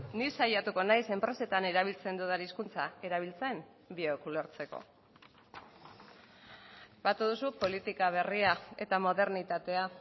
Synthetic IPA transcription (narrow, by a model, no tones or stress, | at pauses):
nisajat̪uko̞najse̞mpɾe̞se̞t̪ane̞ɾaβ̞ilt͡se̞nd̪uðaɾiskunt͡sae̞ɾaβ̞ilt͡se̞m | biokulo̞ɾt͡se̞ko̞̰ | bat̪uðusupo̞lit̪ikaβ̞e̞riae̞̰t̪amo̞ðe̞ɾnit̪at̪e̞a